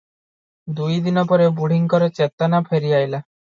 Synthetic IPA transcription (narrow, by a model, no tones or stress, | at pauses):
d̪ujd̪inɔpɔɾewbuɽ̤iŋkɔɾet͡ʃet̪anapʰeɾiajla